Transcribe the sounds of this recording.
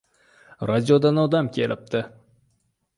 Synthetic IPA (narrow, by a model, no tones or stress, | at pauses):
ɾad̪ʲijod̪ɑnod̪ɑmkʲʰelɪp̚t̪ʰɪ